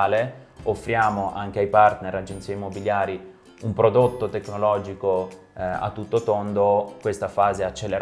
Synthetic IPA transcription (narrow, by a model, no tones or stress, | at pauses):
leofːɾjaːmoʔaŋk̟eajpart̪neɾad͡ʒent̪siːaimːobiljaːɾi | umpɾod̪ot̪ːot̪ekːnolɔːd͡ʒiko | a̰t̪ːut̪ːot̪ond̪okwest̪afaːzeat͡ʃːelːeɾ